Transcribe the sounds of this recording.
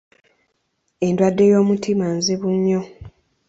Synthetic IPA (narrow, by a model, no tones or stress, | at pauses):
e̞ndwadːe̞jo̞ːmutʰimanziβuɲːo̞